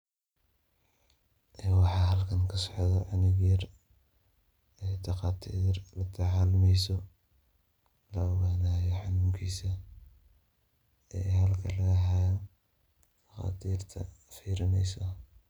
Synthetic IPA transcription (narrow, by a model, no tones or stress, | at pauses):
ʔɛːwɑħɑːɦɐlkʰɐŋkʰɐsɔ̥ʕðɔʕɑnɪɣiːr | ɛːt̪ʰɑqɑːt̪ʰiːrlɐt̪ʰɐʕaːlmɛjsɔ | lɐɔɣaːnaːjɔħɑnuːŋkʰiːsɐ | ɛ̰ːɦɐlkʰɐlɐɣɐɦajɐ | t̪ʰɐqɑ̰ːt̪ʰiːrt̪ʰɐ̰fiːɾɪnɛjsɔ